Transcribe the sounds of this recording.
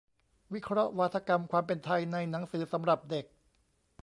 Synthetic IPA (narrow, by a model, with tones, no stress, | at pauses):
wi˦˥kʰɾɔ˦˥ʔwaː˦˥t̪ʰa˧ka˧mkʰwaː˧mpe˧nt̪ʰa˧jna˧jna˩˦ŋsɯː˩˦sa˩˦mɾa˨˩p̚de˨˩k̚